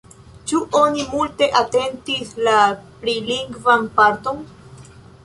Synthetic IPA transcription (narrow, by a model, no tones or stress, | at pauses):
t͡ʃuʔonimulte̞ʔate̞ntislapɾiliŋɡvanpaɾto̞n